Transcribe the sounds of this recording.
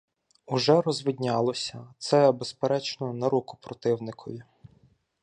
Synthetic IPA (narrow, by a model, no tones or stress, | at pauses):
ʊʒɛɾɔzʋɪdʲnʲɑlˠɔsʲɐt̪sɛbespeɾɛt͡ʃnɔnɐɾukʊ̥pɾɔt̪ɪwnɪkʰɔʋʲi